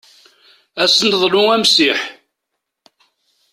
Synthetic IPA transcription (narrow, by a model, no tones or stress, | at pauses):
æsənðˤlʊŋæmsiħ